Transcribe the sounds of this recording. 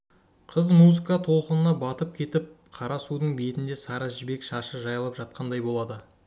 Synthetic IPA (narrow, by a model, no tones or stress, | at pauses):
qʰəzmuzɨkɑt̪ʰo̞lˠqənənɑbɑt̪əp̚kʲʰe̞t̪ɪp̚ | qʰɑɾɑsud̪əɴbe̞t̪ɪnd̪esɑɾɑʒɪbe̞kʃɑʃəʒɑjəlˠəpʒɑt̪̚qɑnd̪ɑjbo̞lˠɑd̪ə